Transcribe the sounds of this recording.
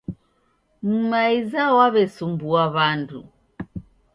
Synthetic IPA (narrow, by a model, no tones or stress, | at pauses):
m̩maizawaβɛsumbuaβandṵ